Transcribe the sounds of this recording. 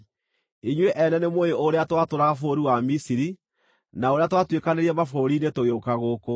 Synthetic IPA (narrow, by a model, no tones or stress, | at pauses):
iɲweʔɛnɛnemoeoɾeatwatoɾaɣafoɾiwamisiɾi | naoɾeatwatwekaneɾiɛmafoɾiːnetoɣeokaɣoko